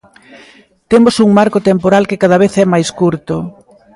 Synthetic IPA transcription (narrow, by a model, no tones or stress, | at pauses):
t̪emosuŋmaɾkot̪empoɾalkekað̞ɐβ̞eθɛmajskuɾt̪o